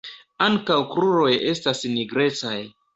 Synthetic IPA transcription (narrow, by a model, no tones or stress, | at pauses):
aŋkawkɾuɾo̞je̞stasniɡɾe̞t͡saj